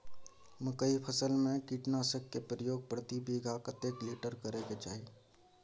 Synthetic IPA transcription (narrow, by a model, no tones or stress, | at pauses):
məkəipʰəsəlmẽkiːʈnaːsəkːepɾəjoːɡ̚pɾət̪ibiːɡʱakət̪ekliːʈəɾkəɾeket͡ʃa̰ːɦi